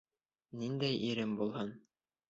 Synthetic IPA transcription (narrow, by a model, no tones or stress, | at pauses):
nind̪æjʔiɾɘmbulˠhɤn